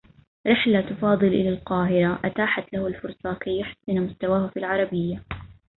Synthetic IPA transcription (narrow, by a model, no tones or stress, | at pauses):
ɾɪħlat̪ʊfɑːd̪ˤɨlʔɪlalqɑːɦɪɾaʔat̪aːħat̪lahʊlfʊɾsˤɑkajːʊħsɪnmʊst̪awaːhafiːlʕɑɾˤɑbɪjːa